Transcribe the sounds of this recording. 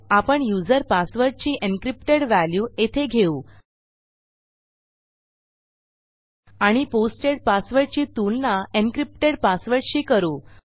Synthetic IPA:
apəɳjud͡zəɾpasʋəɾʈ̚t͡ɕiːʔenkɾipʈeɽʋæljuːet̪ʰeɡʱeuː | aɽ̃iposʈeɽpasʋəɾʈt͡ɕiːt̪ulnaenkɾip̚ʈeɽpasʋəɾʈɕiːkəɾuː

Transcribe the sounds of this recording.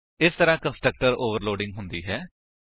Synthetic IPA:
ɪst̪əɾãːkə̃nsʈɾək̚ʈəɾoːʋəɾloːɖɪ̃ŋɡɦʊnd̪ḭːɦɛː

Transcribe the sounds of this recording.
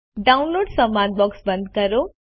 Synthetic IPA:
ɖaunloɖsəmːand̪̚bɔksbə̃nd̪̚ʱkəɾo

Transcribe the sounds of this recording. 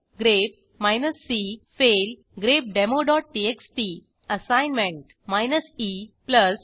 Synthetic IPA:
ɡɾep̚ | majnəsːifel | ɡɾep̚ɖemoɖɔːʈ̚ʈieksʈi | əsãjnmẽɳʈ | majnəsipləs

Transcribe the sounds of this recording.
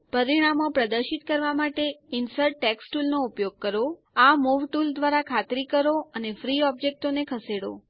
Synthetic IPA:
pəɾiɽ̃amopɾəd̪əɾʃit̪kəɾʋamaʈeɪnsəɾʈːɛksʈulnoupjoɡ̚kəɾo | amuʋʈuld̪ʋaɾakʰat̪ɾikəɾoənefɾiɔb̚d͡ʒek̚ʈonekʰəseɽo̰

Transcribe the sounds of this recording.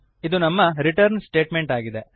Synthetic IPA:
id̪unɐmːɐɾiʈɐɾnsʈe̞ːʈmeɳʈaːɡid̪e̞

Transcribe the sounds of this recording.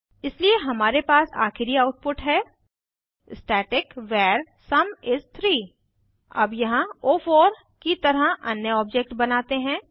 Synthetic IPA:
ɪslieɦɐmaːɾepaːsa̰ːxɪɾiaʊʈ̚pʊʈɦɛː | sʈɛːʈɪkʋɛːɾ | sɐmɪst̪ʰɾiː | ɐ̰bjɐɦãoːfʰoːɾ | kit̪ɐɾəɦɐ̰njəɔːp̚d͡ʒek̚ʈbɐnaːt̪eɦɛ̃ː

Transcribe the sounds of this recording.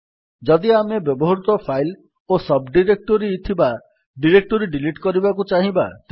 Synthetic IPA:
d͡ʒɔd̪iamebjɔbɔɦɔɾut̪ɔpʰajl | osɔbɖiɾek̚ʈoɾit̪ʰiba | ɖiɾek̚ʈoɾiɖiliʈkɔɾibakut͡ʃaɦĩbat̪

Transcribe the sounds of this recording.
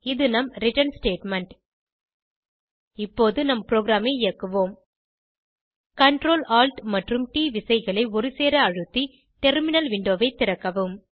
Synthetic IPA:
ɪðɯnɐmɾɪʈɐnsʈeːʈmɐɳʈ | ɪpːoːðɯnɐmpɾoːɡɾaːmeɪɪjɐkːɯʋoːm | kɐɳʈɾoːlaːlʈmɐʈrɯmʈiːʋɪsɐɪɣɐɭɐɪɔɾɯseːɾɐɐɻɯt̪ːi | ʈɛɾmɪnɐlʋɪɳɖoːʋɐɪt̪ːɪɾɐkːɐʋɯm

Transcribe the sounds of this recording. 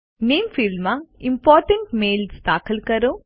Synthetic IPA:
neːmfilmaimpaːɾʈɐɳʈmeːlst̪aːkɐlkɐɾo

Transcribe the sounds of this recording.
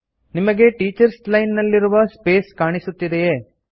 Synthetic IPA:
nimɐɡe̞ʈiːt͡ʃɐɾslɐjnːɐlːiɾuʋɐspe̞ːskaːɳisut̪ːid̪ejeː

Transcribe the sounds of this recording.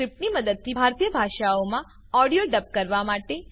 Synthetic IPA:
ɾɪp̚ʈniməd̪əd̪̚t̪ʰibʱaɾt̪ijəbʱaʃaomã | ɔɽijoɖəp̚kəɾʋamaʈe

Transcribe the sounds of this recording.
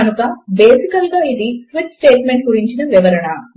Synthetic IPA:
ɐnukɐbe̞ːsikɐlɡaːid̪isʋit͡ʃsʈeːʈme̞ɳʈ̚ɡuɾiɲt͡ʃinɐʋiʋɐɾɐɳɐ

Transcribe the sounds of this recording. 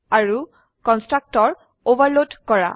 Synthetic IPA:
aɹu | kɔnstɹak̚tɔɹ | obaɹlodkɔɹa̰

